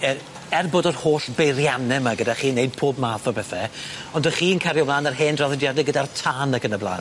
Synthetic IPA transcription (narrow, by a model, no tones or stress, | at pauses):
ə | ɛrboːdɔrhoːɬberjanɛmaɡədaχiːnejd̚pʰoːbmaːθɔbɛθɛɔndəχiːnkʰaɾjɔblˠaːnarɦeːndraðɔdjadɪɡədartʰaːnakənəblˠa̰ːn